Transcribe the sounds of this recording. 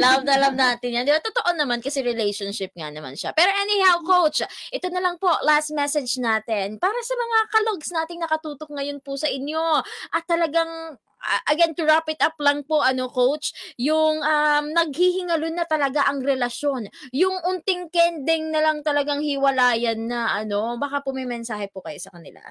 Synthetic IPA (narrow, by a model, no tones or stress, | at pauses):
lavnʔɐlamnaːt̪ɪnjand̪ɪbat̪ot̪o̞ʔo̞nɐmankɐsɛɾɛlɛjʃonʃɪp̚ŋa̰nɐma̰nʃa̰pɛːɾo̞ʔɛnɪhɛlkowt͡ʃʔɛt̪o̞nɐlɐŋpo̞last̪̚mɛsɛd͡ʒnaːt̪ɛnpaːɾɐsɐmɐŋakɐloɡsnaːt̪ɪŋnɐkɐt̪uːt̪ok̚ŋɐjonpʊsɐʔɪnjo̞ʔɐt̪ːɐlɐɡaŋ | ʔɐɡɛnt̪ʊɹapɪt̪ʔaplɐŋpoʔɐno̞kowt͡ʃjʊŋɐmnɐɡ̚hihɪŋɐlonɐt̪ɐlɐɡaʔɐŋɾɛlɐʃo̞njʊŋʔʊnt̪ɪŋkɛnd̪ɛŋnɐlɐŋt̪ɐlɐɡaŋhiwɐlaːjɐnːɐʔɐno̞bɐkapʊmɐjmɛnsaːhɛpʊkɐjosɐkɐnɪla̰